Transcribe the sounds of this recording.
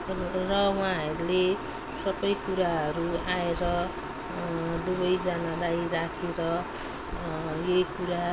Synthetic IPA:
rʌwaɦʌɾule | sʌbʌjkuɾaɦʌɾuaeɾʌ | d̪ubʌjd͡zanalajɾakʰeɾʌ | jʌikuɾa

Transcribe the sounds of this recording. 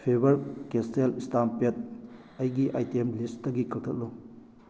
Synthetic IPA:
pʰebɐɾkeselistampet̚ | ɐjɡiʔajtiemlistɐɡikʰɐktʰɐt̚lu

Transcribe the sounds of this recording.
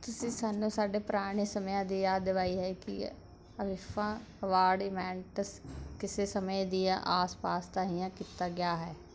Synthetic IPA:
t̪ʊsĩːsaːnũːsaːɖeːpɾaːɽ̃eːsəmjãːd̪iːjaːd̪ɪʋaːiːɦɛːkɪ̰ | əʋɪfãː | əʋaːɾɖɪmɛ̃ːɳʈəskɪseːsəmed̪iːãːʔaːspaːst̪aːɦijãːkiːt̪aːɡɪjaːɦɛː

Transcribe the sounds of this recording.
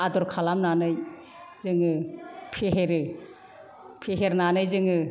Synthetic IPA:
adɔɾkʰalamnanɯj | zɯŋɯpʰeɦeɾɯ | pʰeɦeɾnanɯjzɯŋɯ

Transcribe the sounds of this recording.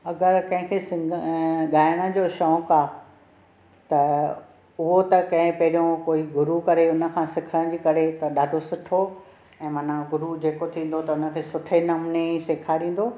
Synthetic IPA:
ɐɡəɾkɐ̃ɦɪ̃kʰeːsɪ | ɠaːɪɽ̃ə̃d͡ʑoːʃɔːkaː | t̪ɐ | ʊɦot̪ɐkɐ̃ɦɪ̃pɐɦɪɾijõkoːiɡʊɾukɐɾeʊnə̆kʰãːsɪkʰəɾə̃ɽ̃d͡ʑiːkɐɾet̪ɐɗaːɖʱosʊʈʰo | ɛ̃ːmɐn̤aɡʊɾud͡ʑeːkot̪ʰĩːn̆d̪ot̪ɐʊnə̆kʰeːsʊʈʰenɐmneseːkʰaɾĩːn̆d̪oː

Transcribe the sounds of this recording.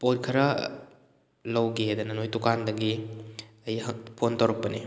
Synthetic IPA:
pot̚kʰɐɾɐ | lɐwɡeɐdɐnɐnojtukandɐɡi | ɐjɦɐpʰontowɾɐk̚pɐni

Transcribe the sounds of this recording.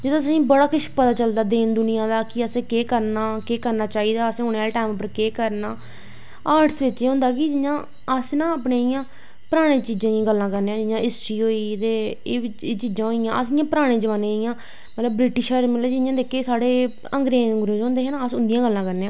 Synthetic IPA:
d͡ʒɪd̪õːəsĩːbəɽaːkɪʃpət̪aːt͡ʃəld̪aːd̪eːnd̪ʊnɪjãːd̪aːkɪəsẽːkeːkəɾnaːkeːkəɾnaːt͡ʃaːiːd̪aːəsẽːɦoːɳeːaʈaːmpəɾkeːkəɾnaː | aːɾʈsʋɪt͡ʃːeːɦʊ̃ːnd̪aːk̬ɪd͡ʒɪjãː | əsnãːəːpneːɪjãː | pəɾaːɽ̃ẽːt͡ʃiːd͡ʒãːɡəlːãːkəɾneːãːd͡ʒɪjãːɪst͡ʃiːɦoːiːt̪eːeːt͡ʃiːd͡ʒãːɦoijãːʔəsɪjãːpəɾaːɽ̃ẽːd͡ʒəʋaːnẽɪjãː | mət̪ləbːɾɪʈɪʃaːɾemət̪led͡ʒɪjãːd̪eːkʰeːsaːɽeː | əŋɡɾeːəŋɡɾoːd͡ʒõːnd̪eːɦẽːnaəsʊnd̪ijãːɡəlːãːkəɾneːãː

